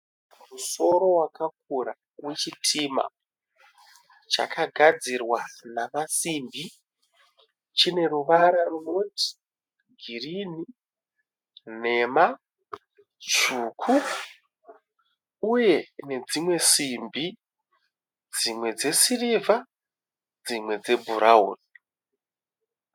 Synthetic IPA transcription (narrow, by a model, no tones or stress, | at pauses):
muso̞ɾo̞wakak̚uɾa | rwe̞t͡ʃitʰima̰ | t͡ʃa̰kaɡʱad͡zirwanamasimbi | t͡ʃine̞ruʋaɾarunoti̥ | ɡʱirini | ne̞ːma | t͡ʃuːkʰu | je̞ne̞d͡zimwe̞simbi | d͡zimwe̞d͡ze̞siriva | d͡zimwe̞d͡ze̞bʱuɾʔaṵːni